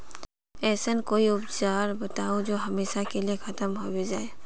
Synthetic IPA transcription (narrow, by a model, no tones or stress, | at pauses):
ɛsənkoiʊpt͡ʃaɾbət̪aod͡ʒoɦəmesakelijekʰət̪əmɦobed͡ʒae